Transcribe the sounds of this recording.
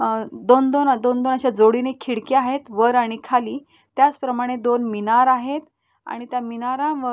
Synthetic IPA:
d̪ond̪ond̪ond̪onaɕjad͡zoɽinekʰːiɽkeaɦet̪ʋəɾaɽ̃ikʰaliː | t̪jat͡spɾəmaɽ̃ed̪onminaɾaɦet̪ | a̰ɽ̃it̪jaminaɾãʋə

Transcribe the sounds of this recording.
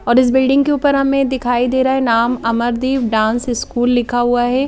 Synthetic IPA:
ɔːɾɪs̬bɪlɖɪ̃ŋɡkeuːpəɾɦɐmẽd̪ɪkʰaːid̪eːɾaːɦɛnaːmɐməɾd̪iːʋɖãːnsɪskuːlːɪkʰaɦuaɦɛː

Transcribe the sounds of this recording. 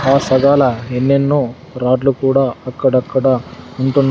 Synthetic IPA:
aːsɐɡaːlɐenːenːu | ɾaːɖlukuːɽaːɐkːɐɽɐkːɐɽɐuɳʈun

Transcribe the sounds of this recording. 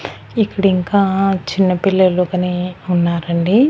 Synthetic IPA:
ipːuɽiŋkaːt͡ʃinːɐpilːɐloːkɐneːunːaːɾɐɳɖi

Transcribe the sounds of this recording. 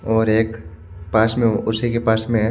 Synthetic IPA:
ɔːɾeːk | paːsmẽʊsekepaːsmẽ

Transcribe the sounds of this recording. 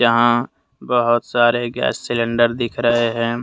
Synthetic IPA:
ɐɦã | bəɦʊt̪saːɾeɡɛ̰ːsːɪlə̃ɳɖəɾd̪ɪkʰɾɐɦeɦɛ̃ː

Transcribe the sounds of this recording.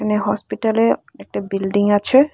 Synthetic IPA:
aneɦɔspiʈaleɛk̚ʈabilɖiŋat͡ɕʰe

